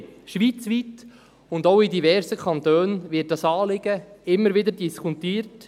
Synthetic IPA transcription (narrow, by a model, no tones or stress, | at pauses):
ʃʋiːt͡sʋit | ʊndowidivɛɾsəkʰɑnt̪øːnvɪt̚dɑsɑːlɪɡ̥əɪmːəɾvɪdəɾdiskʰut̪iːɾt